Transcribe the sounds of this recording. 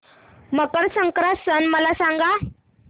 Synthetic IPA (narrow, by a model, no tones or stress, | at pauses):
məkəɾsəŋkɾasənməlasãŋɡa